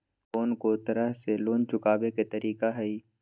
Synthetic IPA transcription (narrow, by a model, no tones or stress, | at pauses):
foːnkot̪ɐɾəɦseloːnt͡ʃʊkaːbeket̪ɐɾʔiːkaɦɛi